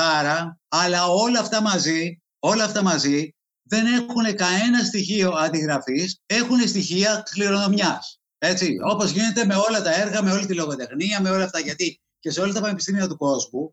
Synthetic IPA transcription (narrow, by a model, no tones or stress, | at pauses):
ɐɾɐɐlɐo̞lɐːft̪ɐmɐzi | o̞lɐːft̪ɐmɐzi | ðe̞ne̞xune̞kɐne̞nɐst̪içio̞ɐnd̪iɣɾɐfise̞xune̞st̪içiɐxliɾo̞nðomɲɐs | e̞t͡sio̞po̞zʝine̞t̪e̞me̞o̞lɐt̪ɐe̞ɾɣɐme̞o̞lit̪ilo̞ɣo̞t̪e̞xniɐme̞o̞lɐft̪ɐʝɐt̪i | ce̞se̞o̞lɐt̪ɐpɐnepist̪imiɐt̪uko̞zmu